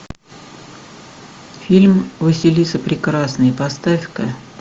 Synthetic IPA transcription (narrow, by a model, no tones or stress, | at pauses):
fʲilʲmvɨsʲɪlʲisəpɾʲɪkɾasnɨjəpɐst̪afʲkə